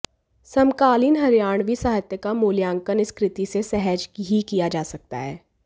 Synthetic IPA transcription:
sɐmkaːliːnɦɐɾjaːɳ̃ʋʱisaːɦɪt̪jəkamoːljãːŋkənɪskɾɪt̪isesɛɦəd͡ʒkɦikijad͡ʒaːsɐk̚t̪a̰ɦɛː

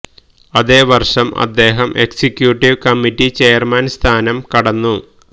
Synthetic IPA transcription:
ɐðeːʋɐrʂɐmɐ̰d̪ːe̞ːɦɐmʔe̞̰ksikjuʈːiʋkɐmitːit͡ɕeːjɐrmɐnst̪ʰaːnɐmkɐɽɐnːu

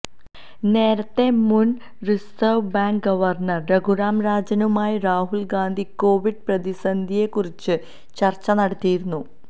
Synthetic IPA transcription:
ne̞ːɾɐt̪ːe̞mun | risɐwbaːŋkɡɐʋɐrnɐrːeɡuɾaːmɾaːd͡ʑɐnumaːjiraːɦuɭɡaːnd̪ʱiko̞ːʋiɖ̚prɐd̪isɐnd̪ʱije̞kːurit͡ɕːɨ | t͡ɕɐrt͡ɕːɐnɐɽɐt̪ːijiɾunːu

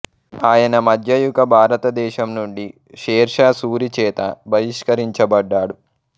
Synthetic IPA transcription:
aːjɐnɐmɐd̪ʱjɐjukɐbʱaːɾɐt̪ɐd̪ɛːʃɐmnuɳɖi | ʃɛːɾʂaːsuːɾit͡ʃɛːt̪ɐ̰bʱɐɾiʂkɐɾiɲt͡ʃɐbɐɖːaːɽu

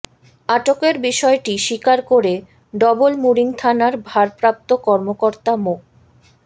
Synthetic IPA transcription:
aʈokeɾbiʃɔeʈiʃikaɾkoɾe | ɖɔbolmuɾiŋt̪ʰanaɾbʱaɾpɾap̚t̪okɔɾmokoɾt̪amok̚

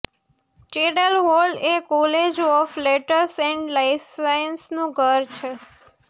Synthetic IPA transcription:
t͡ʃeɽəlɦolekɔled͡ʒɔfleʈəɾsɛ̃ɳɖlaɪssajnsnũɡʱəɾt͡ʃʰe

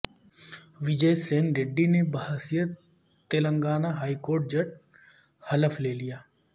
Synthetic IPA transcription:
ʋɪd͡ʒeːseːnɾeɖːinebahasijə | t̪eːlə̃ŋɡaːnaɦaːikoːɾʈ̚d͡ʒɐʈ̚ | hɐləfʰleːlijaː

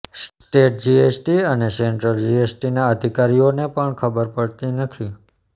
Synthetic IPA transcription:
s | ʈeʈ̚d͡ʒiesʈiəneseɳʈɾəld͡ʒiesʈinaəd̪ʱikaɾionepəɳkʰəbəɾpəɭt̪inət̪ʰi

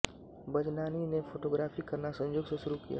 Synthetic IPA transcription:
bɐd͡ʒnaːninefʰoːʈoːɡɾaːfikɐɾnasɐ̃ɲd͡ʒoːɡseʃʊɾukḭja̰ː

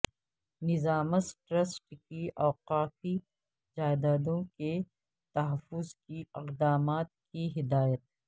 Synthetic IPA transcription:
nɪzaːməsʈɾəsʈkiʔɐːqaːfi | d͡ʒaːjd̪aːd̪õke | t̪ɐɦɐfʊzkiɪqd̪aːmaːt̪̚kiɦɪd̪aːjət̪̚

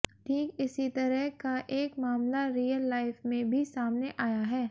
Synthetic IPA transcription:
ʈʰiːkɪsit̪ɐɾəɦkaʔeːkmaːmlaɾiːjəlːaːɪfmẽbʱisaːmneʔaːjaɦɛː

